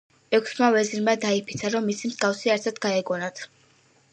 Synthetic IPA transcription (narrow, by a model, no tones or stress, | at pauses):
ɛkʷʰsmavɛziɾmad̪aipʰit̪sʰaɾɔmːisimzɡafsiaɾt̪ʰat̪ɡaɛɡɔnat̪ʰ